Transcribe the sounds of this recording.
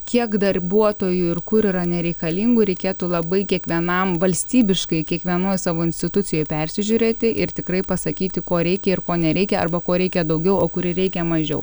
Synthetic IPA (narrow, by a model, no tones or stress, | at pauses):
kʲiɛkd̪ɐrbuɔt̪oːjuɪrkʊɾiːɾɐnʲɛɾʲɛɪkɐlʲiːŋɡʊɾʲɛɪkʲeːt̪uːlˠɐbɐɪkʲiɛkʋʲiɛnɐmʋɐlʲsʲt̪ʲiːbʲɪʃkɐɪkʲiɛkʋʲiɛnoːjsɑːʋoːɪnʲsʲt̪ʲɪt̪ʊt̪sʲɪjoːjpʲɛɾʲsʲɪʒʲuːɾʲeːt̪ʲɪʔɪɾt̪ʲɪkɾɐɪpɐsɐkʲiːt̪ʲɪkoːɾʲɛɪkʲɛɪɾkoːnʲɛɾʲɛɪkʲɛɐ̰rbɐkoːɾʲɛɪkʲɛd̪ɐʊɡʲɛʊoːkʊɾʲɪɾʲɛɪkʲɛmɐʒʲɛ̰ʊ